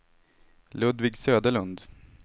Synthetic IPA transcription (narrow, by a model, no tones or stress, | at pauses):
lɵd̪vɪːɡsøːd̪əɭɵnd̪